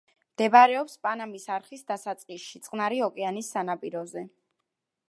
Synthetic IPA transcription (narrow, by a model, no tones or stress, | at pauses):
md̪̥ɛbaɾɛɔpspʼanamisaɾχisd̪asat̪sʼqʼisʃit̪sʼqʼnaɾiɔkʼɛanisːanapʼiɾɔzɛ